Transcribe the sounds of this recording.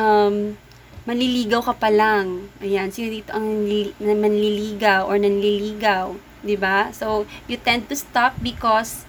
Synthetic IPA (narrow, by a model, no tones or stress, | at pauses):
ʔɐm | mɐnliliːɡɐwkɐpɐlaŋʔɐjansiːnod̪iːt̪oʔɐŋnɐmɐnliliːɡɐwʔɔɹnɐnliliːɡɐw | d̪ɪbasowjʊt̪ɛnd̪̚t̪ʊst̪ap̚bɪkɔs